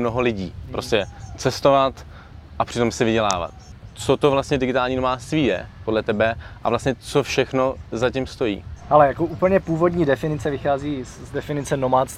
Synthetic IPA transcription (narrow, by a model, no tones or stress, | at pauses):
mno̞ɦolɪɟiːpɾʔoscɛt͡sɛst̪o̞vat̪ | ʔapr̥ɪt̪o̞msɪvɪɟɛla̰ːva̰t̪̚t͡sot̪ovlast̪ɲɛdɪɡɪt̪aːlɲiːno̞maːt͡st̪viːjɛ̰podlɛt̪ɛbɛʔa̰vlastɲɛt͡so̞fʃɛxno̞zacɪmst̪o̞jḭːhalɛjakoʔupl̩ɲɛpuːvodɲiːdɛfɪnɪt͡sɛvɪxaːziː | zdɛfɪnɪt͡sɛnomaːt͡s̪